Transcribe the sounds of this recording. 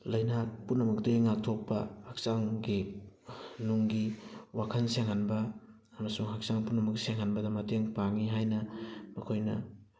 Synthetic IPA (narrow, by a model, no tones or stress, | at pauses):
lɐjnak̚punːɐmɐk̚dɐiŋak̚tʰok̚pɐhɐk̚saŋɡi | nuŋɡiwakʰɐnseŋhanbɐː | mɐsuŋɦɐk̚saŋpunɐmɐkseŋhanbɐdɐmɐteŋpaŋiɦajnɐmɐkʰojnɐ̰